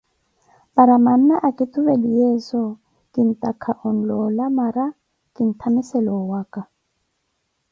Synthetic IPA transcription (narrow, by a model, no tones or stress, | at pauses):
paɾaman̩naʔakʼɪtʰʼʊβelijɛsɔ | kʼɪn̩tʼakʰaʔɔn̩lɔlamaɾa | kʼɪn̩tʰamisɛlɔwaːkʼa